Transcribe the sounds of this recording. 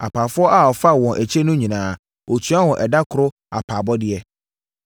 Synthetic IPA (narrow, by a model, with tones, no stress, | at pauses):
a̰˨pʰaː˨fʊ˦ɔ˦ʔa˨ɔ˨fa˦wɔ̃˨ʔæ˨t͡ɕʰe˦nʊ̃˦ɲĩ˨nãː˨ | ʔo˨tʰu˨˦a˦wɔ̃˨ʔɛ˨da˦kʰʊ˨ɾʊ˦ | a̰˨pʰaː˨bɔ˦dɪ˦ɛ˦